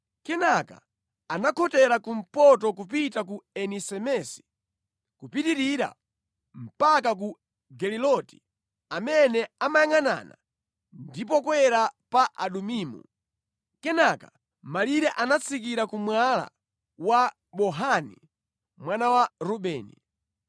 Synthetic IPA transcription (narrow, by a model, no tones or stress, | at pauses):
kɛnaka̰ | anakʰɔtɛɾakum̩pɔtɔkupitak̬uɛnisɛmɛsi̥ | kupitiɾiɾa̰ | m̩pakak̬u | ɡɛlilɔti̥ | amɛnɛamajaŋana̰ːna̰ | ndip̬ɔkwɛɾapaʔaɗumiːmṵ | kɛnaka | maliɾɛʔanat͡sʰikiɾakumwala̰ | wa | ɓɔɦanḭ | mwanawaɾuɓɛːnḭ